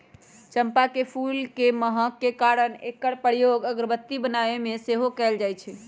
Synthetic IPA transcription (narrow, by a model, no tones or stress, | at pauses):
t͡ʃəmpakepʰulkeməɦəkːekaɾənekːəɽpəɾijoɡəɡɾəbət̪ːibənaemeseɦokɛld͡ʒajt͡ʃʰɛ